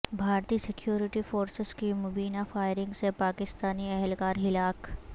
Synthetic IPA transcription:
bʱaːɾt̪iːsɪkjuːɾɪʈifoːɾsɪzkimʊbiːnafaːjɪɾɪ̃ŋɡsepaːkɪst̪aːniɛɦɛlkaːɾɦɪlaːk

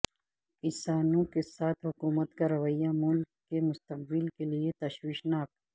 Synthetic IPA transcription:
ɪsaːnõkesaːt̪ʰɦʊkuːmət̪kaɾɐʋəjamʊlkːemʊst̪əq̚bɪlkeliet̪ɐʃwiːʃnaːk

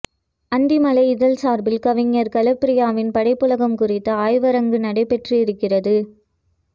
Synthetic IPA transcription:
ɐnd̪imɐlɐɪɪðɐlsaːɾbɪlkɐʋɪŋːɐɾkɐlɐpːɪɾɪjaːʋɪnpɐɽɐɪpːɯlɐɣɐmkʊrɪt̪ːɐaːjʋɐɾɐŋɡɯnɐɽɐɪpɛʈriɪɾɯkːɪrɐðɯ

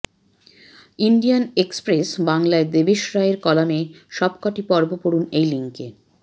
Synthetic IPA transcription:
inɖijanekspɾesbaŋlaed̪ebeʃɾaeɾkɔlameʃɔbkaʈipɔɾbopoɽunejliŋke

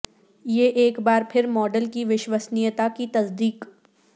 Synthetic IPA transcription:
jeʔeːkbaːɾpʰɪɾmɔːɖəlkiʋɪʃwəsnijət̪akit̪ɐsd̪iːk

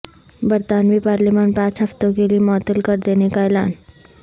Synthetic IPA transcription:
bɐɾt̪aːnʋipaːɾliːmaːnpãːt͡ʃɦɐft̪õkeliemɔːt̪əlkɐɾd̪eːnekaɛːlaːn

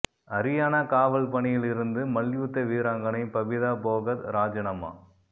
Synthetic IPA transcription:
ɐɾɪjaːnɐkaːʋɐɭpɐɳɪjɪlɪɾɯnd̪ɯmɐljuːt̪ːɐʋiːɾaːŋɡɐnɐɪpɐbɪðaːboːɣɐt̪ɾaːd͡ʒɐnɐma̰ː

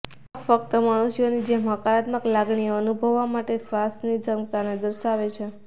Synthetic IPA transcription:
afəkt̪əmaɽ̃usijonid͡ʒemɦə̃kaɾat̪məklaɡɳioənubʱəʋːamaʈesʋast̪nid͡ʒʱəmkt̪aned̪əɾʃaʋet͡ʃʰe

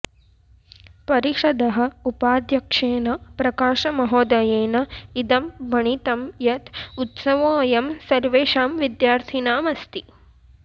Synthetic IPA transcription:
pɐɾiʂɐd̪ɐɦɐ̆upaːd̪jɐkʂeːnɐpɾɐkaːʂɐmɐɦɔːd̪ɐjeːnɐid̪ɐmbʱɐɳit̪ɐmjɐt̪ut̪sɐʋõːjɐmsɐɾʋeːʃaːmʋid̪jaːɾt̪ʰinaːmɐst̪i

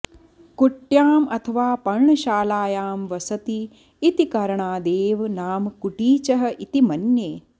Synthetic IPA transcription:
kuʈjaːmɐt̪ʰɐʋaːpɐɾɳɐʃaːlaːjaːmʋɐsɐt̪iː | t̪ikɐɾɐɳaːd̪eːʋnaːmkuʈiːt͡ʃɐɦɐ̆ʔit̪imɐnjeː

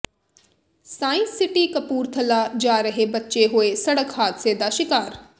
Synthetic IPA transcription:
saːɪ̃nsːɪʈiːkəpuːɾt̪ʰəlaːd͡ʒaːɾəɦeːbətːʃeɦoeːsəɽəkhaːt̪seːd̪aːʃɪkaːɾ

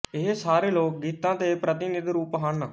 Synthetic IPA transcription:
ɪɦsaːɾeːloːk̚ɡiːt̪ãːt̪eːpɾət̪ɪnɪd̪ɾuːpɦəɳ

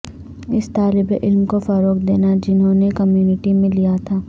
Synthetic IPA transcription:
ɪst̪aːlɪbeʔɪlmkofɐɾoːkd̪eːnad͡ʒɪnɦõnekɐmjuːnɪʈimẽlijat̪ʰaː

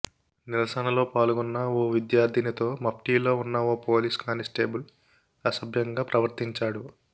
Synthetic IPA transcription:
nilɐsɐnɐlo̞ːpaːluɡɔnːɐoːʋid̪jaːɾd̪ʱinɐt̪o̞ːmɐpʈiːlo̞ːunːɐoːpoːliskaːnisʈe̞ːbul | ɐsɐbʱjɐŋɡaːpɾɐʋɐɾt̪iɲt͡ʃaːɽu

